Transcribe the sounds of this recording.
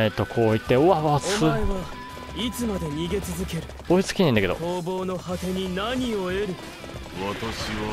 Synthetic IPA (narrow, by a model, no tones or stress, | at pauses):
et̪ːo̞kʰo̞ːit̪ːe̞oβaβsmɨaeβa | it͡sɨmad̪e̞ɲ̟iɡe̞t͡sɨzɨke̞ɾɯ̟̥ | oit͡sɨ̥kʲinẽnd̪aked̪otoːbo̞ːno̞hat̪e̞ɲ̟inaɲ̟io̞e̞ɾɯ̟ | βat̪aɕiβa